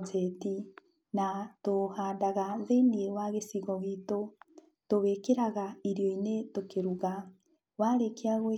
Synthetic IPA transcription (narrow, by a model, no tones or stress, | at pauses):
t͡seti | natohaːndaɣaðeniewaɣesiɣɔɣito | toβekeɾaɣaiɾjɔinetokeɾuɣa | waɾekeaɣwe